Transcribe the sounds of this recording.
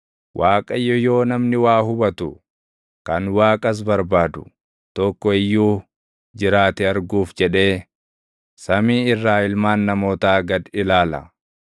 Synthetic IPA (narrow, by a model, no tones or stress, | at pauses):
wʔaːkʼɐjːɔjo̞ːnɐmnɪwaːhʊbɐt̪ʊ | kɐnwaːkʼɐs̬bɐɾbaːd̪ʊ | t̪ɔkːɔɪjːuː | d͡ʒɪɾaːt̪ɛɐɾɡuːfd͡ʒɛᶑe̞ː | sɐmiːɪrːaːɪlmaːnːɐmo̞ːt̪aːɡɐd̪ɪlaːlɐ̰